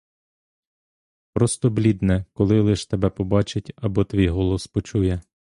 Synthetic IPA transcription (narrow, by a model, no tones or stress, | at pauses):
pɾɔst̪ɔblʲid̪nɛkɔlˠɪlˠɪʃt̪ebɛpɔbɑt͡ʃɪtʲɐbɔt̪ʋʲijɦɔlˠɔspɔt͡ʃujɛ